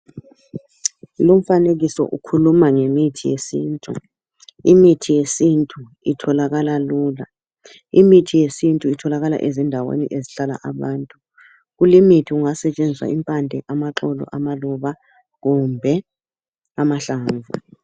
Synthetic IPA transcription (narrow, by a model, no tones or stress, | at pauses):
lom̩fanek̬isɔ̰ʔukʰulumaŋemitʰijḛsiːntʼṵ | imitʰijesintʼu | itʰɔlaɣalaluːla | imitʰijesintʼuitʰɔlaɣala̰ʔezindʱawḛnḭʔeziɬala̰ʔaɓaːntʼu | k̬ulimitʰiuŋasɛt͡ʃʼend͡zʱisa̰impʼandʱɛʔamaǁɔlɔ̰ʔamalɔɓa | ɣumbʱɛ | amaɬaːɱvṵ